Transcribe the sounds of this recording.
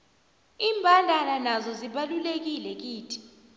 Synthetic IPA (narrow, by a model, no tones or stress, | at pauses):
iːmbʱandʱalanazɔziɓalulek̬ilɛk̬iːtʰi̥